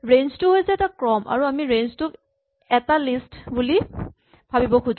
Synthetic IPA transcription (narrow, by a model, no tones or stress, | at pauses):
ɹenztʊɦojsɛɛtakɹɔmʔa̰ɹuamiɹenztʊk | ɛtalistbuli | bʱabibɔkʰud͡ʒ